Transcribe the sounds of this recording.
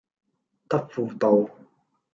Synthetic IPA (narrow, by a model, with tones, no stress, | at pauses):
t̪ɐ˥p̚fu˨˩t̪o˨˧w